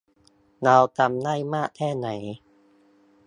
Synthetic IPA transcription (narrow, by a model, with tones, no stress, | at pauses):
na˧wt̪a˧mnaː˥˩jmaː˥˩k̚t̪ʰɛː˥˩na˩˦j